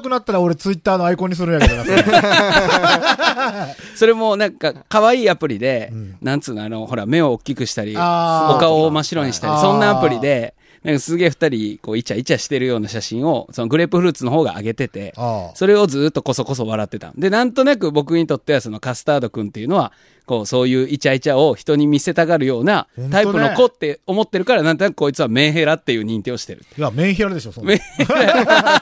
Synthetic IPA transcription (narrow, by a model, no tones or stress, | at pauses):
kɯ̟nat̪ːaɾaoɾe̞t͡sɨit̪ːaːnoaikõ̞ɲ̟ːis̬ɨɾɯ̃jaa | so̞ɾe̞mo̞nãŋkakaβaiːapɯ̟ɾʲid̪e̞nãnt͡sɨːnoano̞ho̞ɾame̞o̞ːkʲːikɯ̟ɕi̥t̪aɾʲio̞kaomaɕiɾõ̞ɲ̟iɕi̥t̪aɾʲisõ̞nːaːpɯ̟ɾʲid̪e̞ | nãŋkasɨɡe̞ːɸɯ̟t̪aɾʲiko̞ːit͡ɕait͡ɕaɕi̥t̪e̞ɾɯ̟jo̞ːnaɕaɕĩɰ̃o̞sonoɡɯ̟ɾe̞pɯ̟ɸɯɾɯ̟t͡sɨno̞ɦo̞ːɡa̰ʔa̰ɡe̞t̪e̞t̪e̞̰so̞ɾe̞o̞d͡zɨːt̪ːo̞ko̞so̞ko̞s̬o̞β̞aɾat̪ːe̞t̪ã̰nd̪e̞nãnt̪o̞nak̬ɯ̟bo̞k̬ɯ̟ɲ̟it̪o̞t̪ːe̞βaso̞no̞kasɨ̥t̪aːd̪o̞kɯ̟̃nt̪e̞jiɯ̟no̞βa | ko̞ːso̞ːjɯ̟ːit͡ɕait͡ɕao̞çi̥t̪o̞ɲ̟imʲise̞t̪aɡaɾɯ̟jo̞ːnaaipɯ̟no̞ko̞t̪ːe̞o̞mo̞t̪ːe̞ɾɯ̟kaɾanãnt̪o̞nakɯ̟ko̞ːit͡sɨβamẽ̞ɰ̃ɦe̞ɾat̪ːe̞jɯ̟ːɲ̟ĩnt̪ʲio̞ɕi̥t̪e̞ɾɯ̟t̪ːamẽçiaɾd̪eomẽ